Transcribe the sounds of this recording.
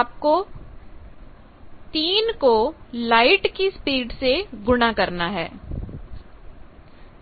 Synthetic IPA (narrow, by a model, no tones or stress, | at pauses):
aːp̚ko | t̪iːnkolaːɪʈkispiːɖseɡʊɽ̃akɐɾnaɦɛ̰ː